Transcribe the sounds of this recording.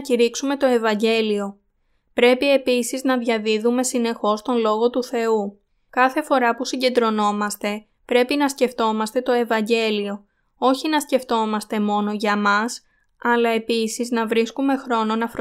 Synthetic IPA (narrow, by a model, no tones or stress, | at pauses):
ciɾiksume̞t̪o̞e̞vɐɲɟe̞lio̞ | pɾe̞pie̞pisiznɐðʝɐðiðume̞sine̞xo̞st̪o̞nlo̞ɣo̞t̪uθe̞u | kɐθe̞fo̞ɾɐpusiɲɟe̞nd̪ɾo̞no̞mɐst̪e̞ | pɾe̞pinɐsce̞ft̪o̞mɐst̪e̞t̪o̞e̞vɐɲɟe̞lio̞ | o̞çinɐsce̞ft̪o̞mɐst̪e̞mo̞no̞ʝɐmɐs | ɐlɐe̞pisiznɐvɾiskume̞xɾo̞no̞nɐfɾ